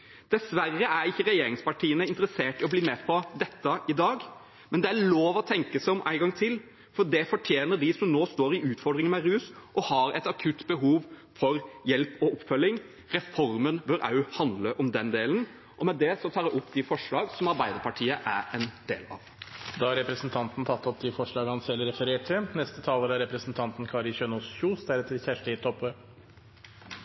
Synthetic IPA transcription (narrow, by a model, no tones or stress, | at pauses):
d̪̥ɛsʋæɾːəʔæɾɪçːəɾɛjeːɾɪŋspɑʈʰiːənəɪnt̪əɾəseːʈɪɔbliːmɛːpʰɔd̪ɛt̪ːəʔɪd̪ɑːɡ | mɛnd̪ɛæɭoːʋɔt̪ʰɛŋkəsæɪɔmʔæ̰ɪɡɑŋːt̪ʰɪl | fɔɖ̪ɛfɔʈʰjeːnəɖɪsɔmnoːst̪oːɾɪʉːt̪fɔɾɖ̪ɾɪŋənmɛɾʉːsʔɔhɑɾɛt̪ɑkʰʉt̪ːbəɦuːʋ | fɔɾjɛlpɔʔɔpːfœlːɪŋ | ɾɛfɔɾmənbœɾɑ̰ʉhɑnd̪ləʔɔmd̪ɛnd̪eːln̩ | ʔɔmɛd̪ɛsɔt̪ʰɑːɾd̪ɛʔʊpːd̪ɪfɔʂɭɑːɡsɔmɑɾbæɪd̪əɾpɑʈʰiːəʔæɾɛnd̪eːlɑ̰ʋd̪ɑːɑɾɛpɾɛsn̩t̪ʰɑnt̪n̩t̪ʰɑt̪ːɔp̚d̪ɪfɔʂɭɑːɡəhɑnsɛlːɾɛfəɾeːʈʰɪnɛst̪ət̪ʰɑːləɾɑɾɛpɾɛsn̩t̪ʰɑnt̪nkʰɑːɾɪçøːnɔːsçuːsd̪æɾɛt̪ʰːəɾçæʂʈəɪt̪ʰːɔpøː